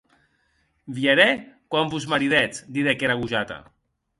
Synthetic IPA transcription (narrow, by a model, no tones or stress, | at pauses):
bjeɾekwambuzmaɾiðɛt͡sd̪iðekeɾaɣuʒat̪a̰